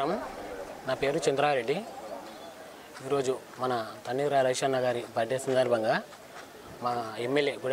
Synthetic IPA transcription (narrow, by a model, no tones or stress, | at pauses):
ɐm | naːpe̞ːɾut͡ʃɐnd̪ɾaːɾeɖːi | iːɾo̞ːd͡ʒu | mɐnɐt̪ɐnːiɾaːɾɐɡʂaːnɐɡaːɾibɐɖːesɐnd̪aːɾbʱɐŋɡaː | maːemːelje̞ːɡuɽ